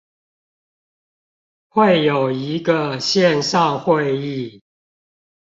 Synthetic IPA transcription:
xwe˥˨ɪjo˨˩ʊi˨˦ɡə˨ɕjɛ˥˨nsɑ˥˨ŋxwe˥˨ɪi˥˨

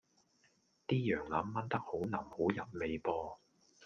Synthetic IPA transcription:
t̪iː˥jœː˨˩ŋlɐ˨˥mːɐ˥nt̪ɐ˥k̚ho˨˥wnɐː˨˩mho˨˥wjɐ˨p̚me˨jpɔː˧

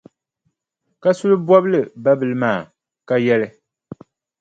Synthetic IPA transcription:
ka˦su˦lɨ˦bɔ˦blɨ˨ba˦bɨ˨lɨ˦maː˦˨ | ka˦jɛ˦lɨ˦

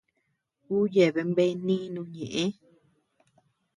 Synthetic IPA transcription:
kuː˦je˨βe˧mbe˦nĩ˦nũ˧˦ɲẽ˨ʔẽ˦

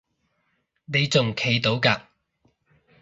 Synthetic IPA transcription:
ne˨˧jt͡sʊ˨ŋkʰe˨˧jt̪o˨˥wkaː˧

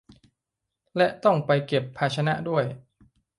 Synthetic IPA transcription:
lɛ˦˥ʔt̪ɔ˥˩ŋpa˧jke˨˩pʰːaː˧t͡ɕʰa˧na˦˥ʔdu˥˩əj

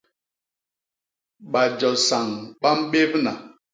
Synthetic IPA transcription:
ɓa˨d͡ʒɔ˨sa˨ŋɓa˦m̩˦ɓe˦bna˨

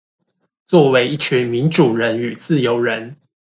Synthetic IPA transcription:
t͡swɔ˥˨we˨˥ɪi˥˩t͡ɕʰy˨˥nmi˨˥nʈ͡ʂu˨˩ɻə˨˦ny˨˩t͡sɹ̩˥˨jo˧˥ʊɻə˧˦n

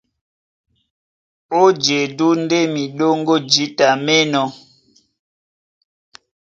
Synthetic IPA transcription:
o˦d͡ʒe˨du˦n˦de˦mi˨ɗo˦ŋɡo˦d͡ʒi˨˦ta˨me˦nɔ˨

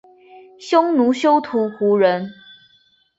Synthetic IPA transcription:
ɕjo˥ŋnu˨˦ɕjo˥ʊt̪ʰu˨˥xu˨˥˦ɻə˨˦n

